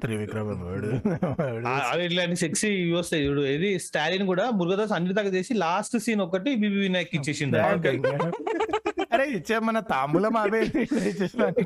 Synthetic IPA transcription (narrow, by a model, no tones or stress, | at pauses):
t̪ɾiʋikɾɐmɐmeɽu | aaʋiilaːɳʈiseksiʋost̪eipːɽued̪isʈaːɾinkuːɽaːmuɾɡɐd̪aːsɐnːiʈit̪aːkɐt͡ʃe̞ːsilaːsʈsiːnɔkːɐʈibiːbiːʋiːnaːjkːit͡ʃːeːsind̪iokː | ɐɾeːit͡ʃːemɐnɐt̪aːmulɐmaːbeiɐɾit͡ʃːeːsini